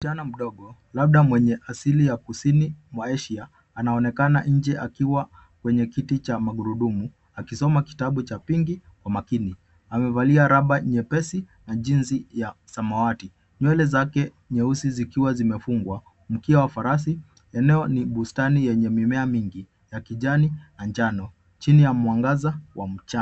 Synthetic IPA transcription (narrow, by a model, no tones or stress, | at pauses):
t͡ʃanam̩ɗɔɠɔlaɓ̚ɗamwɛɲɛʔasilijakusinimwaɛʃiaː | naɔnɛkanaɲ̩d͡ʒɛʔakiwa | kwɛɲɛkitit͡ʃamaɠuɾuɗumu | akisɔmaki̥taɓut͡ʃapiŋɡikwamakini | amɛvaliaɾaɓaɲɛpɛsi | naʄinzijasamawati | ɲwɛlɛzakɛ | ɲɛusizikiwazimɛfuŋɡwa | m̩kiawafaɾas̬i | ɛnɛɔniɓustanijɛɲɛmimɛamiŋɡi | jakiʄaninand͡ʒanɔ | t͡ʃinijamwaŋɡazawʔam̩t͡ʃa